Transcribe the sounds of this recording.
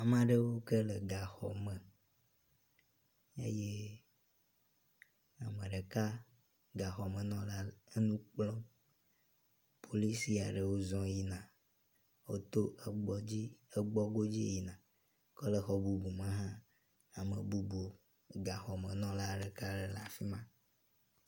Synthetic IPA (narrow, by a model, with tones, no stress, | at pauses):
a˨mã˨ɖə˦wo˦kə˦le˨ɡa˨xɔ̰˨mə˨ | ḛ˦je˦ | a˨mə̃˨ɖe˨ka˦ | ɡa˨xɔ˨mə̃˨nɔ̃˦la˦e˦nũ˦k͡plɔ̃˦ | pʰo˨li˦si˦a̰˨ɖə˨wo˦zɔ̃˦ji˦nã˨ | wo̰˦t̪o˦ɡ͡bɔ˦d͡ʑi˦e˦ɡ͡bɔ˦ɡo˦d͡ʑi˦˨ji˨nã˨ | kɔ˦le˨xɔ˨bu˨bu˨mã˦ɦã˦ | a˨mḛ˨bu˦bu˨ | ɡa˨xɔ˨mẽ˨nɔ̃˦la˦ɖe˨ka˦le˨la˨fi˦mã˦